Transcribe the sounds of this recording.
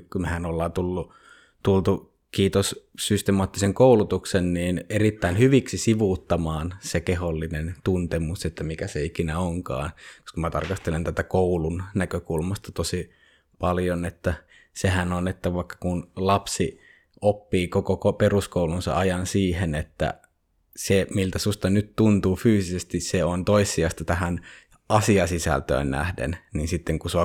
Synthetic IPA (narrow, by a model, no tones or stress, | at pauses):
kumehænolːɑːnt̪ulːu | t̪ult̪u | kiːt̪ossyst̪emɑːt̪ːiseŋkoulut̪uksenniːnerit̪ːæinhyʋiksisiʋut̪ːɑmɑːnsekeholːinent̪unt̪emuset̪ːæmikæseikinæoŋkɑ̰ːnko̥skɑmæt̪ɑ̰rkɑst̪elent̪æt̪ækoulunnækøkulmɑst̪ɑt̪osi | pɑljonet̪ːæ | sehænonet̪ːæʋɑikːɑ̥kunlɑpsi | opːiːkokokoperuskoulunsɑ̰ʔɑjɑnsiːhenet̪ːæ̰ | semilt̪æsust̪ɑnyt̪t̪unt̪uːfyːsisest̪isseont̪oisːˑiɑst̪ɑt̪æhæn | ɑsiɑsisæ̰lt̪ø̰ːnnæ̰hdḛnninsit̪ːeŋkusuɑ